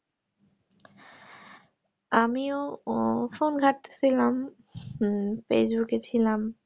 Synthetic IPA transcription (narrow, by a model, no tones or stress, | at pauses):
amio | fonɡʱat̪ːe̥sʰilam | fesbuket͡ɕʰilam